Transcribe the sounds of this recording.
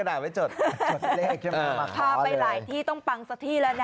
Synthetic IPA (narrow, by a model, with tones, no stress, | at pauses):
a˧daː˨˩wa˦˩t͡ɕo˨˩t̪̚o˨˩le˥˨˩kʰːpʰaː˧pa˧jɾaː˧jt̪ʰiː˥˩t̪ɔ˥˩ŋpa˧ŋsa˧˥t̪ʰiː˥˩laː˧na˧